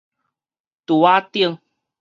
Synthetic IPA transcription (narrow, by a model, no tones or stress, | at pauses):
tuwatiəŋ